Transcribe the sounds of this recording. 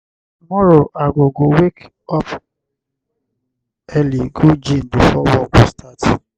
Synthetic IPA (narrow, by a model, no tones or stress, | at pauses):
umɔɾoʔaɡoɡowek | ɔp | ɛliɡod͡ʒĩn̩dofɔwɔbɔstʰat